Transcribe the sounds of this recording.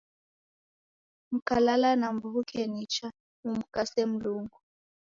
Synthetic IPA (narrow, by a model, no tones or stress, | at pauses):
m̩kalalanambuβukʰɛnit͡ʃa | mum̩kasem̩luŋɡu